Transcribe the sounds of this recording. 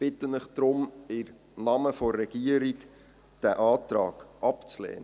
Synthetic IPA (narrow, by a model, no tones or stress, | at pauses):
b̥ɪtənɪχd̥ɾʊmɪɾ | nɑməfɔrːɛɡ̥iəɾik | d̥æʔɑːt̪rɑːɡ̥ʔɑpt͡slɛ̰ːnə